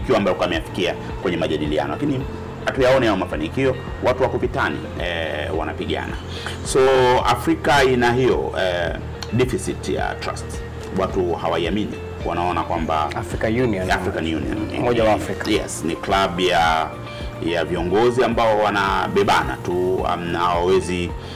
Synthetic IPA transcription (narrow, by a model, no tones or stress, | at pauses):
kiwambajɔkamɛjafi̥kia | kwɛɲɛmaʄaɗilia̰nɔlakini | hatujaɔnijajɔmafanikiɔ | watuwakupitanḭ | ɛwa̰napiɠa̰na̰ | sɔa̰fɾikainaɦijɔ̰ɛ | ɗifisitja̰tɾa̰st | watuhawaiaminḭ | wʔa̰naɔnakwamba̰afɾikajuniɔnafɾikanjunḭɔ̰nmɔʄawafɾikajɛ̰sniklaɓja | javiɔŋɡɔziambaɔwanaɓɛɓana̰tua̰m̩naawawɛzi